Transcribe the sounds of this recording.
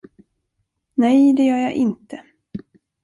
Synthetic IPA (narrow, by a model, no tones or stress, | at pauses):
nɛjd̪ɛjœːɾjaʔɪnt̪ə